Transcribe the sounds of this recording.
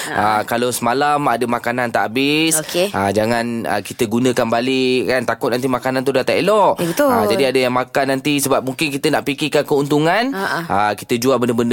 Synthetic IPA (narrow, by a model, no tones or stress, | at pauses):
ʔəkalasəmalamadəmakanant̪aʔabɪskeʔəd͡ʒaŋãnə̰kit̪əɡunə̃kanbalikant̪akʊt̪̚nant̪̬imakanant̪̬udat̪aḛlɔʔət̪əd͡ʒadiadəjaŋmakanːant̪isəbap̚muŋkɪnk̬it̪ənaʔpikikankəunt̪uŋanəki̥t̪əd͡ʒuaʔbəndəbənd